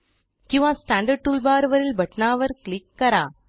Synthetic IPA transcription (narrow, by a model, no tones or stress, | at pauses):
kĩʋãːsʈãːɳɖɐɾʈulbaːɾʋɐɾilbʱɐʈnaːʋɐɾkɭikːɐɾaː